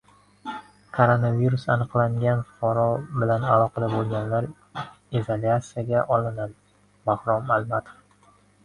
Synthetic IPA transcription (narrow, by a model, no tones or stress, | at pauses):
kʰoɾonaviɾusanɨqlˠaŋɡʲanqɒɾɒbɪlanalˠɒqʰɑd̪abolˠɡʲanlaɾ | izolʲat̪sijaɡʲaʔɒlˠɪnad̪ɪ | bahɾɒmalmat̪ʰo̥f